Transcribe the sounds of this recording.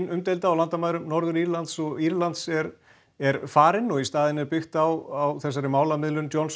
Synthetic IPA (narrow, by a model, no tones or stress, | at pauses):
nʏmt̪ejlt̪aːwlant̪amaːjðɾʏmnɔɾðʏɾiɾlant̪sɔɣiɾlant̪sɛɾ | ɛɾfaːɾɪnɔist̪aːðɪnɛɾpʏxt̪awawθɛs̬aɾɪmaːwlamɪðlʏnt̪jɔns